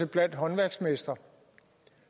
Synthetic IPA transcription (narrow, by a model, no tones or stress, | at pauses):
əb̥læn̰d̥ɦɒ̽nʋæɐɡ̥smesd̥ɐ